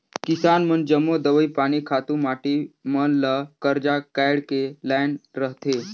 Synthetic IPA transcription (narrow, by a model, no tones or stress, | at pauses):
kisanmənd͡ʒəmːod̪əʋəjpaːɽ̃ikʰat̪ũmaʈimənləkəɾd͡ʒakajɽkelajnɾəɦt̪e